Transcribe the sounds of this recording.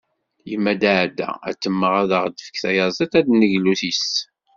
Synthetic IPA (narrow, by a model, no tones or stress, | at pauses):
jəmːæd̪aʕd̪æ̰æ̰t͡sːəmːəʁæðəʁd̪əfə̥kθæjɑzˤit̪æd̪nəʝluθis